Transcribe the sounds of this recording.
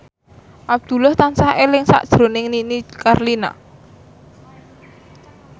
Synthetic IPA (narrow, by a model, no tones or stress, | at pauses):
ʔab̚d̪̥ṳlaht̪ansahelɪŋsa̰ʔd̥ʒ̥ɾo̤nɪŋninikarlina̰